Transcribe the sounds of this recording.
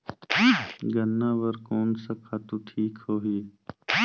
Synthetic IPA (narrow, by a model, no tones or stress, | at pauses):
ɡənːaʋəɾkoːnsəkʰaːt̪uʈʰiːkhoːɦie